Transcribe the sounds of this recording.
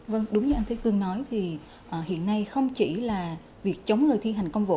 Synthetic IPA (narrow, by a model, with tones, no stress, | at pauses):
və˧ŋɗʊ˨˦ŋ͡mɲɨ˧ʔa˧ŋ̟t̪ʰjt̪ɨ˨˩əŋnɔ˨˦jt̪ʰi˨˩ | ʔəː˨˩hḭ˧˨ənːa˧jxə˧wŋ͡mt͡ɕḭ˧˩laː˨˩ | vi˨˩ək̚t͡ɕə˨˦wŋ͡mŋɨ˨˩jt̪ʰi˧ɦa˨˩jŋ̟kə˧wŋ͡mvo̰˧˨